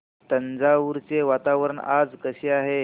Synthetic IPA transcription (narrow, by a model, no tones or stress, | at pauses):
t̪ənd͡zaʋuɾt͡seʋat̪aʋəɾəɳa̰d͡zkəɕeaɦe